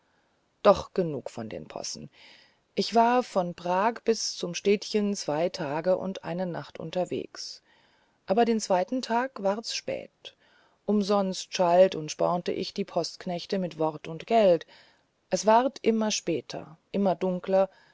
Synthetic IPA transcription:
d̥ɔχɡ̥ənṵːkfɔndḛːnpʰɔ̰sn̩ | ʔɪçv̥aːɐfɔnpʁ̥aːkb̥ɪst͡sʊmʃteːtçənt͡sv̥aɪtʰaːɡəʔʊ̰ntʔa̰ɪnənaχtʔʊ̰ntɐvḛːks | ʔaːbɐdeːnt͡sv̥aɪtn̩tʰaːkv̥aːɐsʃpɛ̰ːt | ʔʊmzɔnstʃaltʊntʃpɔ̰ʁntə̰ʔɪçd̥iːpʰɔstknɛçtəmɪtv̥ɔʁtʊntɡ̥ɛlt | ʔɛsv̥aʁtʰʔɪmɐʃpɛːtʰɐ̰ʔɪmɐdʊŋklɐ

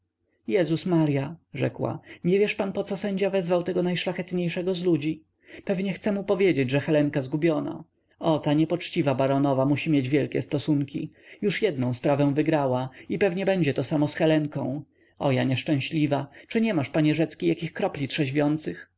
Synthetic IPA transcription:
jɛzusmaɾjaʐɛkwa̰ɲɛvʲjɛʂpanpɔt̪sɔsɛɲd͡ʑavɛzvawt̪ɛɡɔnajʂlaxɛt̪ɲejʂɛɡɔzlud͡ʑi | pɛvɲɛxt̪sɛmupɔvʲjed͡ʑed͡ʑʐɛxɛlɛŋkazɡubʲjɔna̰ | ɔt̪aɲɛpɔt͡ʂt͡ɕivabaɾɔnɔvamuɕimʲjed͡ʑvʲjɛlkʲɛst̪ɔsuŋkʲi | juʂjɛd̪̚nɔ̃w̃spɾavɛ̃w̃vɘɡɾawaipɛvɲɛbɛɲd͡ʑɛt̪ɔsamɔsxɛlɛŋkɔ̰̃w̃ | ɔjaɲɛʂt͡ʂɛ̃w̃ɕlʲivat͡ʂɘɲɛmaʂpaɲɛʐɛt̪skʲijakʲixkɾɔplʲitʂɛʑvʲjɔnt̪sɘx

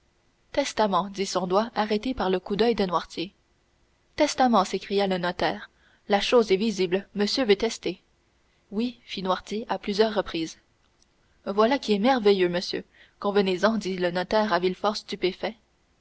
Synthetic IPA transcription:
t̪ɛst̪amɑ̃d̪isɔ̃d̪waʔaʁɛt̪epaʁləkud̪œjd̪ənwaʁt̪je | t̪ɛst̪amɑ̃sekχijalənɔt̪ɛːʁ | laʃoːzɛviziblməsjøvøt̪ɛst̪e | wifinwaʁt̪jeʔaplyzjœːʁːəpχiːz | vwalakʲiɛmɛʁvejøməsjø̰ | kɔ̃vənezɑ̃d̪ilənɔt̪ɛːʁavilfɔʁst̪ypefɛ

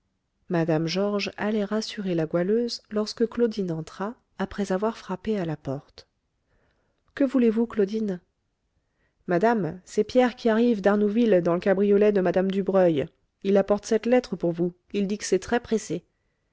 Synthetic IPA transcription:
mad̪amʒɔʁʒalɛʁasyʁelaɡwaløzlɔʁskəklod̪inɑ̃t̪χaː | pχɛzavwaʁfχapealapɔʁt̪ | kəvulevuklod̪in | mad̪amsɛpjɛʁkʲiaʁivd̪aʁnuvild̪ɑ̃ləkabʁijɔlɛd̪əmad̪amd̪ybʁœj | ilapɔʁt̪sɛt̪lɛt̪χəpuʁvu | ild̪ikə̥sɛt̪χɛpχese

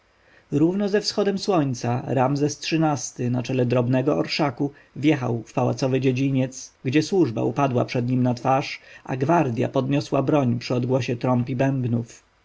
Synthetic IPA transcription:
ɾuvnɔzɛfsxɔd̪ɛmswɔɲt̪saɾamzɛstʂɘnast̪ɘnat͡ʂɛlɛd̪ɾɔbnɛɡɔɔɾʂaku | vʲjɛxa̰wfpawa̰t̪sɔvɘd͡ʑed͡ʑiɲɛt̪sɡd͡ʑɛswuʐba̰upad̪wa̰pʂɛd̪ɲimnat̪faʂʔa̰ɡvaɾd̪ʲja̰pɔd̪ɲɔswabɾɔɲpʂɘɔd̪ɡwɔɕɛt̪ɾɔmpʲibɛmbnuf

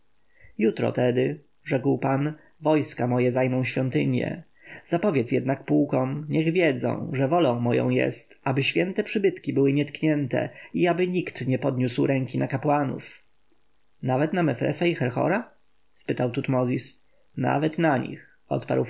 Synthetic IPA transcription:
jut̪ɾɔ̰t̪ɛd̪ɘ | ʐɛkwpan | vɔjskamɔjɛzajmɔ̃w̃ɕfʲjɔnt̪ɘɲjɛ̰ | z̥apɔvʲjɛt̪sjɛd̪nak̚puːkɔ̃mɲɛɣvʲjɛd̪zɔ̰̃w̃ʐɛvɔlɔ̃w̃mɔjɔ̰̃w̃jɛ̰st̪abɘɕfʲjɛnt̪ɛpʂɘbɘt̪kʲibɘwɘɲɛt̪kɲɛnt̪ɛ̰iabɘɲikt̪ɲɛpɔd̪ɲuswɾɛŋkʲinakapwanṵf | navɛt̪namɛfɾɛ̰saixɛɾxɔ̰ɾa | spɘt̪awt̪ut̪mɔzʲis | na̰vɛt̪naɲḭx | ɔ̰t̪pa̰ɾw

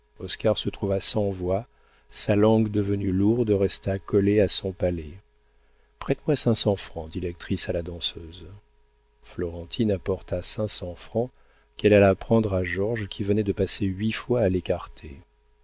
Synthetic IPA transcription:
ɔskaʁsət̪χuvasɑ̃vwa | salɑ̃ɡd̪əvənyluʁd̪ʁɛst̪akɔleasɔ̃palɛ | pχɛt̪mwasɛ̃sɑ̃fχɑ̃d̪ilɛk̚t̪χisalad̪ɑ̃søz | flɔʁɑ̃t̪ʰinapɔʁt̪asɛ̃sɑ̃fχɑ̃ | kɛlalapχɑ̃d̪ʁaʒɔʁʒkʲʰivənɛd̪əpaseɥifwaːlekaʁt̪ʰe

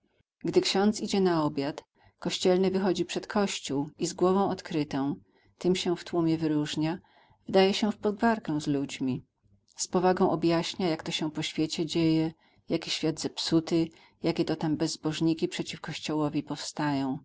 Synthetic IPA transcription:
ɡd̪ɘkɕɔ̃nt̪sid͡ʑɛnaɔbʲjat̪ | kɔɕt͡ɕɛlnɘvɘxɔd͡ʑipʂɛt̪kʰɔɕt͡ɕuwizɡwɔvɔ̃w̃ɔt̪kɾɘt̪ɔ̃w̃ | t̪ɘmɕɛft̪wumʲjɛvɘɾuʐɲa | vɘd̪ajɛɕɛfpɔd̪ɡvaɾkɛ̃w̃zlud͡ʑmʲi | spɔvaɡɔ̃w̃ʔɔbjaɕɲajakt̪ɔɕɛ̃w̃pɔɕfʲjet͡ɕɛd͡ʑejɛ | jakʲiɕfʲjad̪zɛpsut̪ɘ | jakʲɛt̪ɔt̪ambɛzːbɔʐɲikʲipʂɛt͡ɕifkɔɕt͡ɕɔwɔvʲipɔfst̪ajɔ̃w̃

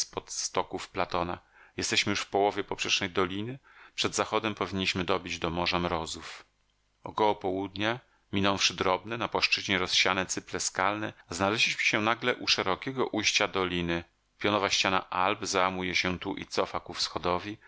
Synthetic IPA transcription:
spɔt̪st̪ɔkufplat̪ɔna | jɛst̪ɛɕmɘjuʂfpɔwɔvʲjɛpɔpʂɛʂnɛjd̪ɔlʲinɘpʂɛd̪zaxɔd̪ɛmpɔvʲiɲːiɕmɘd̪ɔbʲid͡ʑd̪ɔmɔʐamɾɔzuf | ɔkɔwɔpɔwud̪ɲa | mʲinɔ̃w̃fʂɘd̪ɾɔbnɛnapwaʂt͡ʂɘʑɲɛɾɔsɕanɛt̪sɘplɛskalnɛznalɛʑlʲiɕmɘ̥ɕɛnaɡlɛʔuʂɛɾɔkʲɛɡɔʔujɕt͡ɕad̪ɔlʲinɘ | pʲjɔnɔvaɕt͡ɕana̰ʔalbzawamujɛɕɛt̪uʔḭt̪sɔfakufsxɔd̪ɔvʲi

